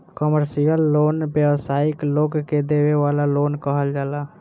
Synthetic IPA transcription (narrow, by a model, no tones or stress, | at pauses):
kəməɾsijəlːoːnbewsaːɪkloːɡked̪eːweʋaːlaloːnkəɦəld͡ʒaːlaː